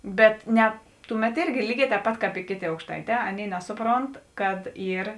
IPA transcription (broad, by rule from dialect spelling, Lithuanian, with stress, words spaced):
ˈbʲɛt ˈnʲɛ ˈtʊˌmʲɛt ˈɪrʲɡʲɪ ˈlʲiːˌɡʲɛː tʲɛːp ˈpɐt ˈkɑːp ɪ ˈkʲeːˌtʲeː ɐʊkʃˈtɐɪˌtʲɛː ˈɑːˌnʲeːɪ ˈnʲæːsʊˌproːnt kɐt ˈiːr